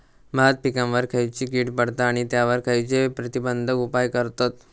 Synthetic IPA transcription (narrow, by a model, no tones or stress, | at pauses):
bʱat̪̚pikãmʋəɾkʰəjt͡ɕiːkiʈpəɽt̪aːɽ̃it̪jaʋəɾkʰəjt͡ɕepɾət̪ibənd̪ʱəupajkəɾt̪ot̪